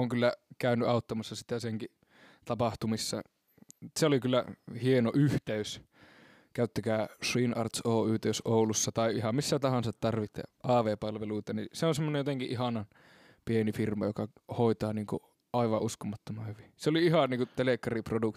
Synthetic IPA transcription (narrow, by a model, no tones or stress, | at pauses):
oŋkylːækæˑynyɑˑut̪ːɑmɑsːɑsi̥t̪æseŋki | t̪ɑpɑht̪umisːɑ̰ | seolikylːæ̰hienoʔyht̪eys | kæˑyt̪ːækæːsriːnʔɑ̰rt̪soːyːt̪eysʔoˑulusːɑt̪ɑˑiʔihɑmmisːæt̪ɑhɑnsɑt̪t̪ɑrʋit̪ːˑḛʔɑːʋeːpɑlʋeluit̪ɑniseonsemːonejot̪eŋkiʔihɑnɑn | pienifirmɑ̰jokɑhoˑit̪ɑːniːŋku | ʔɑˑiʋɑʔuskomɑt̪ːomɑhyʋiseoliihɑniːkut̪elekːɑriproduk̪